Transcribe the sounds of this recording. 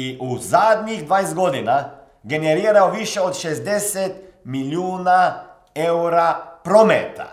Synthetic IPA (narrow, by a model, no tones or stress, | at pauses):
iʔuzaːd̪ɲiɣd̪ʋajzd̪ɡod̪ina | ɡenɛɾiːɾaoʋiʃɛot̪ʃɛzd̪ɛsɛt̪ | miljuːna | ɛwɾapɾomɛt̪a̰